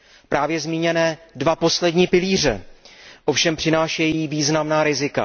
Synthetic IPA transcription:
pɾaːvjɛzmiːɲɛnɛːdvapo̞slɛdɲiːpɪliːr̝ɛ̰ʔo̞fʃɛmpr̝̥ɪnaːʃɛjiːviːznamnaːɾɪzɪka̰

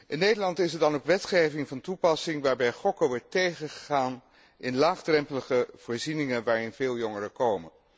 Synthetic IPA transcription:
ʔɪnːejdəlɑntɪsɛɹdɑnokʋɛtχejvɪŋvɑntupɑsɪŋʋaːɹbɛjχɔkəʋɔɹtːejχəχəχaːn | ʔɪnlaːχdrɛmpələχəv̥oːɹzinɪŋənʋaːɹɪnveːlˠjɔŋərəkowmən

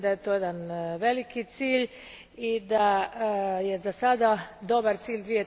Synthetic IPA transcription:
d̪ajet̪ojed̪anʋelikit̪siːʎ | id̪a | jɛzasad̪ad̪obaɾt̪siːʎʲd̪ʋije

